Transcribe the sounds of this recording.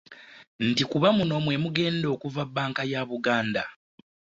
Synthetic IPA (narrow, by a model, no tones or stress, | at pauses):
n̩tikuβamuno̞mwe̞muɡe̞ːndo̞ːkuvabːaːŋkajaːβuɡaːnda